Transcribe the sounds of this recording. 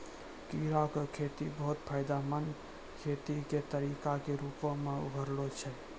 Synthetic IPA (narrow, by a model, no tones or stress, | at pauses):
kiɾakekʰet̪ibəɦut̪pʰaɪd̪amən | kʰet̪iket̪əɾikakeɾupõmeṵɡʱəɾlot͡ʃʰɛ